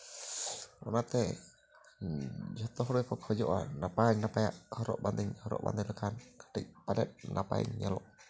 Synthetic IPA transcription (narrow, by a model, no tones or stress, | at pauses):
ɔnat̪ɛ | d͡ʒɔt̪ɔɦɾuakɔkhɔd͡ʒɔʔa̰napaiɲnapaja̰ʔhɔɾɔ̰ʔband̪iɲhɔɾɔ̰ʔba̰nd̪iləkankḁʈiʔpalɛ̰t̪̚nʔapaḭɲːalɔʔ